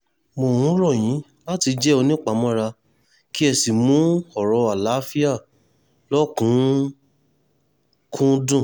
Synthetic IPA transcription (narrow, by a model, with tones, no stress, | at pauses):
mo˨hũ˨˦ɾɔ˦˨j̃ĩ˨˦ | la˦ti˧d͡ʒɛ˦o˧nĩ˦k͡pa˨˦mɔ̃˦ɾa˧ | ki˦ɛ˧˨si˨mũ˨˦ɔ˨ɾɔ˧a˨la˨˦fi˦a˦˨ | lɔ˦kũ˨˦ | kʰũ˦dũ˦˨